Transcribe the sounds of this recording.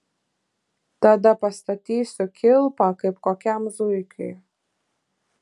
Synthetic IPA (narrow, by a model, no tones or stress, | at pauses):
t̪ad̪apɐst̪at̪ʲisʊkʲʰɪlˠpakɨpkɔkʲamzujkʰɪ̰